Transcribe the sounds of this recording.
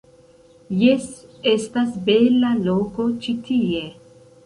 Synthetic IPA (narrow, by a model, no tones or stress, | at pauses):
jese̞stasbe̞laloko̞t͡ʃitʰie